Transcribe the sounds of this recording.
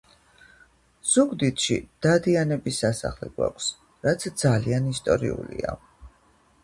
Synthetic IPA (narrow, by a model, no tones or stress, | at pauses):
z̥uɡd̪it̪ʃḭd̪̥ad̪ianɛbisasa̰χlɛ̰ɡ̥wa̰kʷʰs | ɾat̪sʰd̪zalianist̪ʼɔɾiulḭa̰